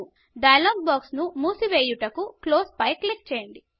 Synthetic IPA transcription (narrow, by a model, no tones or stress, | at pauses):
ɖɐjɐloːɡ̚bɔːksnumuːsiʋeːjuʈɐkukloːspɐjklik̚t͡ʃeːjɐɳɖi